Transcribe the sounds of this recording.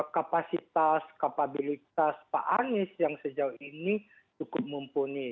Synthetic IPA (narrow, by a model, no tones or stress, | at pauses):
kapasit̪askapabilit̪̚aspa̰ʔanɪsjaŋsəd͡ʒauini | t͡ʃukʊp̚mumpuni